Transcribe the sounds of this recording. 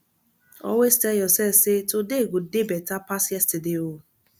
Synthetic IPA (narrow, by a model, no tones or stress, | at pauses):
ɔ̰westɛjɔsɛsɪtodeɡodebɛtapasɛstɪdeo